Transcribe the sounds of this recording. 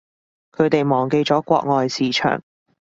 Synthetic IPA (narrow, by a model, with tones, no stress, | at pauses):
kʰɵ˨˧ɥt̪e˨jmɔː˨˩ŋke˧jt͡sɔː˨˥kʷɔ̰ː˧k̚ŋɔː˨jsiː˨˥t͡ʃʰœ̰ː˨˩ŋ